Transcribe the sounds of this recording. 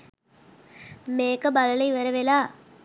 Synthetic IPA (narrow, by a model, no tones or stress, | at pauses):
meːkɐbɐlɐlɐɪʋɐɾɐʋeːlaː